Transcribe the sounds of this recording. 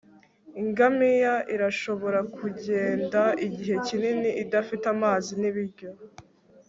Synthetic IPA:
iŋɡamijaʔiɾaʃo̞βo̞ɾakʰuɟe̞ːndaiɟiɦe̞cininiʔidafitamaːziniβiɾɟo̞

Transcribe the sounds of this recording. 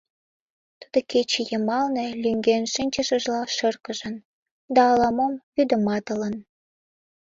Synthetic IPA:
t̪əd̪oket͡ɕejəmɑlnelyŋɡenʃinʲt͡ɕəʃə̆ʒlɑʃərkəʒə̆n | d̪ɑːlɑmomβyd̪ə̆mɑt̪ə̆lən

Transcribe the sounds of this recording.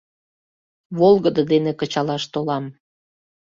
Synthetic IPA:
βolˠɣəd̪əd̪enekət͡ɕɑlɑʃt̪olɑm

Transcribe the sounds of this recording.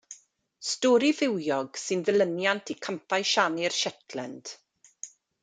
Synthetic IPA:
stɔːɾivɪwjɔɡ̥sɨnðələnjantʰikʰəmpʰaɨʃanirʃɛtʰlɛnd̥

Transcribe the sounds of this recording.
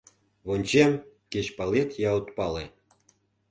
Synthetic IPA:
βonʲt͡ɕem | ket͡ɕpɑlet̪jɑot̪pɑle

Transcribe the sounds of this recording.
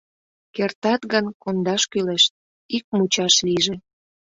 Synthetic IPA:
kert̪ɑt̪ɡənkond̪ɑʃkyleʃt̪̚ | ik̚mut͡ɕɑʃliʒe

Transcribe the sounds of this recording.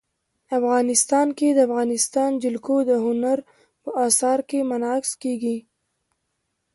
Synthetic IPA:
afɣɑnɪst̪ɑnked̪əafɣɑnɪst̪ɑnd͡ʒɪlkod̪əɦʊnaɾ | pəʔɑsɑɾkemanɑkskeɡi

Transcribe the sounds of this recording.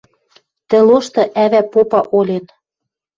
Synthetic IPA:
t̪ɘ̆loʃt̪ɤ̆ʔæβæpopɑʔolʲet̪

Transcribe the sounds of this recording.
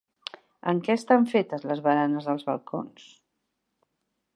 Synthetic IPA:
ə̰ŋkɛəst̪aɱfet̪əzləzβəɾanəzðəlˠzβə̰lˠkʰo̰ns

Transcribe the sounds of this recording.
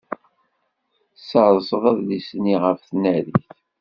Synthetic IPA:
səɾˤsˤəðˤɑðlisniʁəfθnæɾiθ

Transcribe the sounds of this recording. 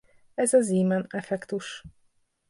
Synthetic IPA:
ɛzɒziːmɛnɛfɛkt̪uʃ

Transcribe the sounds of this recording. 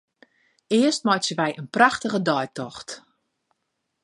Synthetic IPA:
ɪəstmɔjsəʋɛjʔənpraxtəɣədɔjtɔxt

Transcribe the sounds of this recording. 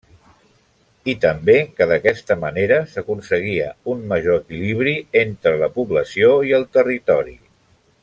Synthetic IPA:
it̪əmbekəðəkɛst̪əməneɾəsəkunsəɣ̞iə̰unməʒoəkiliβ̞ɾient̪ɾələpuβləsioiəlˠt̪ərit̪ɔɾḭ

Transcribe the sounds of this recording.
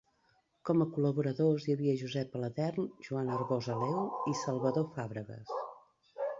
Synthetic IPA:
kɔməkuləβuɾəðozjəβiəʒuzɛpələðɛrnʒuanərɣozəlɛwisəlˠβəðofaβɾəɣə̰s

